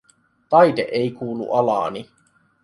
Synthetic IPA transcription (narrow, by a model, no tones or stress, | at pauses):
t̪ɑjd̪ḛʔejkuːlṵʔɑlɑ̰ːni